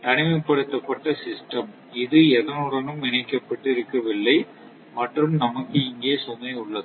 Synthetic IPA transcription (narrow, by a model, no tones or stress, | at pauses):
t̪ɐɳɪmɐɪpːɐɽɯt̪ːɐpːɐʈːɐsɪsʈɐm | ɪðɯɛðɐnɯɽɐnɯmɪnɐɪkːɐpːɐʈːɪɪɾɯkːɐʋɪlːɐɪ | mɐʈrɯmnɐmɐkːɯɪŋɡeːsɔnːɐɪʊɭːɐðɯ